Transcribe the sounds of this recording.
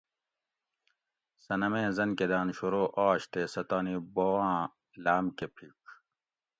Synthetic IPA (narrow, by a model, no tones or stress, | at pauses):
sɐnɐmẽːzɐnked̪aːnɕuɾoːʔaːɕt̪eːsɐt̪aːnibowãː | laːmkepʰik